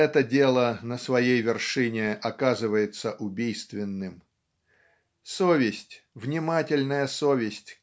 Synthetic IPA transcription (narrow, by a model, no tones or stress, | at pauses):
ɛt̪ədʲe̞lˠənəsvɐjejvʲɪrʂɨnʲɪɐkazɨvəjɪt̪səʔʊbʲijst̪vʲɪnːɨm | sovʲɪsʲtʲ | vnʲɪmatʲɪlʲnəjəsovʲɪsʲtʲ